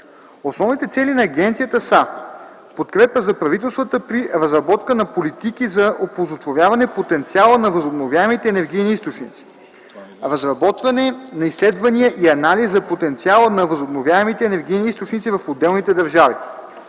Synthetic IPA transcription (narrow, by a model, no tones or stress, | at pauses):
osnɔvnit̪ɛt̪sɛlinɐːɡɛnt̪sijət̪əsa | pot̪kɾɛpəzɐpɾɐvit̪ɛlˠst̪vət̪əpɾiɾɐzɾɐbɔt̪kənɐpolit̪ikizɐʔopozot̪vovʲjavɐnɛpot̪ɛnt̪sialˠənɐvɐzobnovʲjaɛmit̪ɛːnɛɾɡ̟ijniist̪ot͡ʃnḭt̪si̥ | ɾɐzɾɐbɔt̪vɐnɛnɐislɛd̪vɐnijəʔiɐnalizzɐpot̪ɛnt̪sialˠənɐvɐzobnovʲjaɛmit̪ɛːnɛɾɡ̟ijniist̪ot͡ʃnit̪sivɐfod̪ːɛlˠnit̪ɛd̪ɐɾʒavi